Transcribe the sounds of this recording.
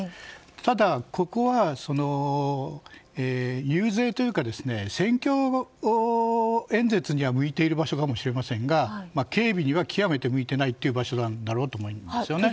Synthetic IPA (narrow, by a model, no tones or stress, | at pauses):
t̪ʰad̪ako̞ko̞βaso̞no̞ | eːjɯːze̞ːt̪o̞jɯ̟kad̪e̞sɨ̥ne̞sẽ̞ŋkʲo̞ | ẽ̞nd͡ze̞t͡sɨɲ̟iβamɯ̟it̪e̞iɾɯ̟baɕo̞kamo̞ɕiɾe̞masẽ̞ŋɡamake̞ːbʲiɲ̟iβakʲʰijame̞t̪e̞mɯ̟it̪e̞nait̪ːeiɯ̟baɕo̞d̪ãnːaɾo̞ːt̪oːmoimasɨjo̞ne̞